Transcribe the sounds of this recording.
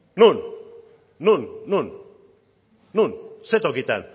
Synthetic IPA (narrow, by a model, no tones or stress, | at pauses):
nun | nunnun | nunset̪okit̪a̰n